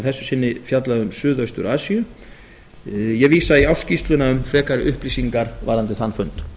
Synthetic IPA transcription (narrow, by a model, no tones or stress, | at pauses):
θɛsːʏ̥sɪnːɪfjat̪laðʏmsʏːðœɥst̪ʏ̰ɾaːsiʏ | jɛɣviːsaiawscist̪lʏnaʏmfɛːkaɾɪʔʏhplisiŋkaɾva̰ɾant̪̬ɪθanːfœnt̪